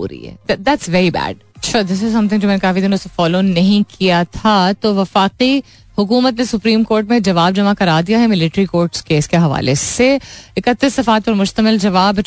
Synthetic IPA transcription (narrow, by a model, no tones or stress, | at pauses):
ɾ̰ḭɛ̰d̪ɛd̪æʈsʋɛɾibæ̰ːɖ | ɐʈʃʰad̪ɪsɪzsɐ̃mt̪ʰɪ̃ŋɡd͡ʒoːmɛ̃ːnekaːfid̪ɪnõsefɔːloːnɐɦĩkʰijat̪ʰat̪oːʋɐfaːqi | hʊkuːmət̪nesʊpɾĩːmkoːɾʈmẽd͡ʒɐʋaːb̚d͡ʒɐmakɐɾaːd̪ijaɦɛmɪlɪʈɾikoːɾʈskeːskeɦɐʋa̰ːleseɪkət̪ːisːɐfaːt̪̚pɐɾmʊʃt̪əmɪld͡ʒɐʋaːb